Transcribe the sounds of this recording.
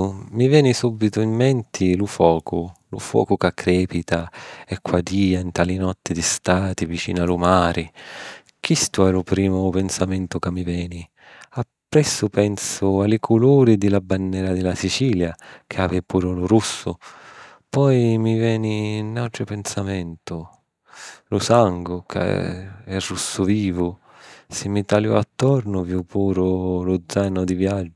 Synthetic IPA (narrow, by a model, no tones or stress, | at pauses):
mivjɛːnisubːit̪ʊimːɛnt̪ʰilufɔːkʊlṵfwɔ̰ːkʊkakʰːɾɛːpit̪aɛkʰːwad̪iːaint̪aːlinɔt̪ːɪd̪ist̪aːt̪ivit͡ʃḭːnalumaːɾʔɪ | k̟ist̪uɛlʊpɾiːmʊpɛnsamɛnt̪ʊkamːivɛːni | apːɾɛsːʊpɛnsʊalɪkʰʊluːɾid̪ɪlabanːɛːɾad̪ɪlasit͡ʃiːljakʰaːvɪpuːɾʊlʊɾusːʊ | pɔjmivɛːninːawʈ̪ɾɪpɛnsamɛnt̪ʊ | lʊsaŋɡʊkʰa̰ɛrːusːʊviːvʊ | sɪmːit̪aljɔ̰at̪ːɔɾnʊvjupuːɾʊlʊd̪zːanʊd̪ivjad͡ʒːʊ